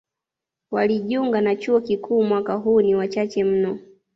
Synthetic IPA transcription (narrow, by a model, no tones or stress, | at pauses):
waliʄuŋɡanat͡ʃuɔkikʰuːmwakaɦuːniwat͡ʃat͡ʃɛm̩nɔ